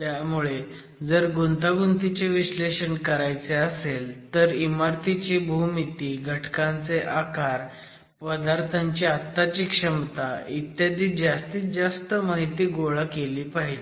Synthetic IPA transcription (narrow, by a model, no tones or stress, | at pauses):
t̪jamuɭe | d͡zəɾɡunt̪aɡunt̪it͡seʋiɕleɕəɳkəɾajt͡seəselt̪əɾimaɾt̪it͡ɕiːbʱumit̪iːɡʱəʈʰkãnt͡seʔakaɾ | pəd̪aɾt̪ʰaɲt͡ɕiat̪ːat͡ɕiːkʂəmt̪ait̪jad̪iːt̪̚d͡zast̪iːt̪d͡zast̪əmaɦit̪iːɡoɭəkeliːpaɦid͡ʑe